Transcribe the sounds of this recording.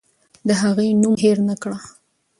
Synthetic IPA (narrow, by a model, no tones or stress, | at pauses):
d̪əɦaɣejnumɦeɾnakɽa